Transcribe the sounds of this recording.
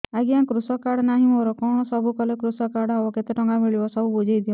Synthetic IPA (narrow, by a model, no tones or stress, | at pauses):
aɡiaŋkɾusɔkaɽɔnaɦĩmoɾɔkɔɽ̃ɔsɔbukɔlekɾusɔkaɽɔɔbɔket̪eʈɔŋɡamiɭibɔsɔbubud͡ʒʱajd̪iɔ